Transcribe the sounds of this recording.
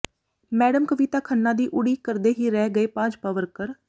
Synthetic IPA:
mɛːɖəmkəʋit̪aːkʰənːaːd̪iːʔʊɽiːkəɾd̪eːɦiːɾɛːɡəeːpə̃ːd͡ʒpəʋəɾkəɾ

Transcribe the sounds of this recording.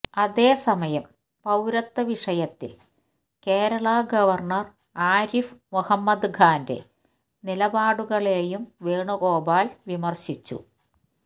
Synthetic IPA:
ɐðe̞ːsɐmɐjɐm | pɐwɾɐt̪ːɐʋiʂɐjɐt̪ːḭl | ke̞ːɾɐɭaːɡɐʋɐrɳɐr | aːɾifmuhɐmːɐd̪ɡʱaːnde̞̰ | nilɐbaːɽuɣɐɭeːjumʋeːɳuɣo̞ːbaːlʋimɐrɕit͡ɕːṵ

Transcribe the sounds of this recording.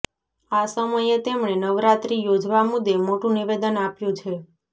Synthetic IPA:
asəməjet̪emɳ̃enəʋɾat̪ɾijod͡ʒʋamud̪ːemoʈũniʋed̪ənapjũt͡ʃʰe

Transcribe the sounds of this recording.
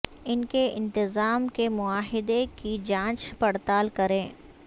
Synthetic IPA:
ɪnkeʔɪ̰̃nt̪ɪzaːmkemʊaːɦɪd̪ekid͡ʒãːt͡ʃpɐɽt̪aːlkɐɾẽː

